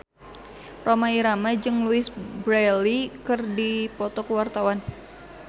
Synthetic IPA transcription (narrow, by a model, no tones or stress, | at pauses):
romaiɾamad͡ʒɨŋluɪsbɾɛlikɨrdipɔt̪ɔkəwart̪awan